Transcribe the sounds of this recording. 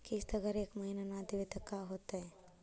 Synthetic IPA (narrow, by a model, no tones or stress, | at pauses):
kist̪ɐɡəɾeːkmɐɦinanaːd̪iʋet̪ɐkːaɦoːt̪aɦɛ